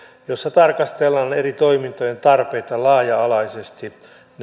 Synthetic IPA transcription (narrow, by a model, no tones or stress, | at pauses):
josːɑt̪ɑrkɑst̪elːɑːnerit̪o̞imint̪ojent̪ɑrpeit̪ɑlɑːjɑːlɑisest̪i | n